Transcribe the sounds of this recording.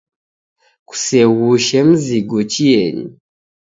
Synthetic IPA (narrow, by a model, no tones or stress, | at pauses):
ku̥sewuʃem̩ziɡɔt͡ʃijeɲḭ